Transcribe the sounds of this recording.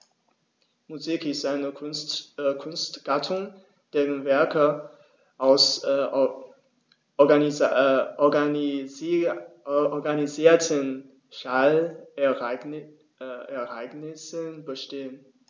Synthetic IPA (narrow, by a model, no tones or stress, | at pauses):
muzikɪstaɪnətkʰʊnstɡ̥atʰʊŋ | d̥eːʁənvɛɐkə | ʔaʊs | ɔɡaniziːɐtʰən | ʃal | ɛɐʔaɪɡnɪsənbəʃteːən